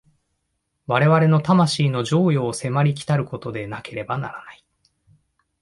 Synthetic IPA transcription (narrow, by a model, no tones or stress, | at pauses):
βaɾe̞βaɾe̞no̞t̪amaɕiːno̞ʑo̞ːjo̞ːse̞maɾʲik̬ʲi̥t̪aɾɯ̟ko̞t̪o̞d̪e̞nake̞ɾe̞bana̰ɾanai̥